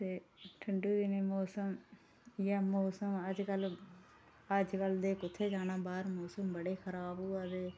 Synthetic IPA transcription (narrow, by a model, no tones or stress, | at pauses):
t̪eːʈʰəɳɖuːd̪ɪneːmɔːsəm | jaːmoːsəməd͡ʒkəl | əd͡ʒkəld̪eːkʊt̪ʰːeːd͡ʒaːnãːbaːɾmoːsəmbəɽeːxʰəɾaːboːad̪eː